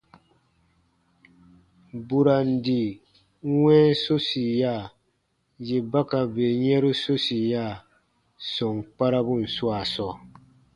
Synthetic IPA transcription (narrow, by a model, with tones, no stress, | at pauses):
bu˨ɾa˨n˨di˨˦ | wɛ̃˦so˦si˨ja˦˨ | je˨ba˦ka˨beː˨ɲɛ˦ɾu˦so˦si˨jaː˦˨ | sɔ˨ŋk͡pa˦ɾa˦bu˦˨n̩˨swa˨sɔ˦˨